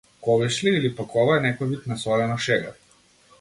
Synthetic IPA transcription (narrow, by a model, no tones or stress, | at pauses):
kɔvɛʃliːlipakʰɔvaɛnɛkɔjvit̪nasɔlɛnɔʃɛɡa